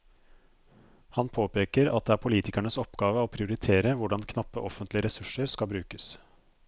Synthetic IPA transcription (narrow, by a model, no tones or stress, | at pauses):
hɑnpʰoːpeːkəɾɑt̪̚d̪ɛæːɾpʰʊliːt̪ɪkæɳəsɔpɡɑːʋəɔpʰɾɪʊɾɪt̪ʰeːɾəʋʊɖɑnkʰnɑpːəʔɔfənt̪lɪəɾɛsʉʂəɾskɑbɾʉːkəs